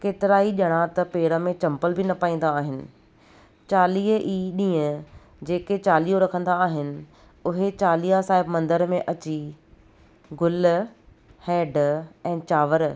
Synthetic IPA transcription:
keːt̪ɪɾaːiʄɐɽ̃at̪ɐpeːɾəmẽt͡ɕɐ̃mpəlbɪnɐpaːĩn̆d̪aːɦɪnɪ̆ | t͡ɕaːliːɦʔiːɗĩːə̃ | d͡ʑeːket͡ɕaːliːoɾɐkʰə̃nd̪aːɦɪnɪ̆ | ʊɦet͡ɕaːlijasaːɦɪbmɐ̃nd̪əɾmẽʔɐt͡ɕi | ɡʊl | hɛːɖɛ̃ːt͡ɕaːʋəɾ

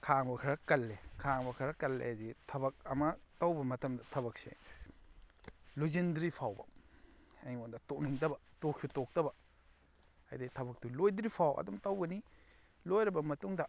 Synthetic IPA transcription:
kʰaŋbɐkʰɐɾɐkɐlːekʰaŋbɐkʰɐɾɐkɐlːḛazitʰɐbɐk̚ɐmɐtawbɐmɐtɐmdɐtʰɐbɐk̚sḛ | lozendɾipʰawbɐ̰ | ajondɐtok̚niŋdɐbɐtokʰutok̚dɐbɐ | ɐ̰jdatʰɐbɐk̚tulojdɾipʰawɐ̰dumtawɡɐni | lojɾɐbɐmɐtuŋdɐ

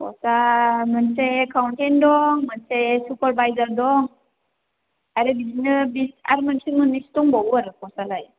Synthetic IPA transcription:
pɔ̰samɯnsekʰawntendɔŋmɯnsesupaɾbajzaɾdɔŋ | aɾebizinɯbisa̰ɾmɯnsiŋmɯnistɔŋbawaɾɯkɔsalaj

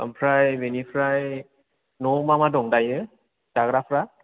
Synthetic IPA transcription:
a̰mpʰɾajbenipʰɾaj | nomamadɔŋdajɯ | d̥aɡɾapʰɾa

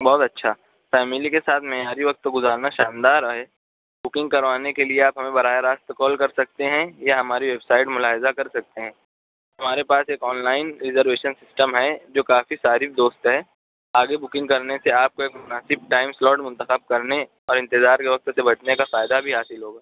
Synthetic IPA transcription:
bɔːt̪ɐtːʃʰa | fɛːmɪlikesaːt̪ʰmɛɦjaːɾiʋɐk̚t̪ɡʊzaːɾnaʃaːnd̪aːɾɦɛ | bʊkɪ̃ŋɡ̚kɐɾʋaːnekelieaːpɦɐmẽbɐɾaːjaɾaːst̪kɔːlkɐɾsɐk̚t̪eɦɛ̃jaɦɐmaːɾiʋeːbsaːɪʈmʊlaːɦɪzakɐɾsɐk̚t̪eɦɛ̃ː | ɦɦɐmaːɾepaːseːkɔːnlaːɪnɾɪzəɾʋeːʃənsɪsʈəmɦɛd͡ʒoːkaːfisaːɾɪfd̪oːst̪ɦɛ | aːɡebʊkɪ̃ŋɡkɐɾneseaːp̚koeːkmʊnaːsɪb̚ʈaːɪmslɔːɖmʊ̃nt̪əxəb̚kɐɾne | ɔːɾɪ̃nt̪ɪzaːɾkeʋɐk̚t̪sebɐt͡ʃnekafaːjd̪abʱiɦaːsɪlɦoːɡaː

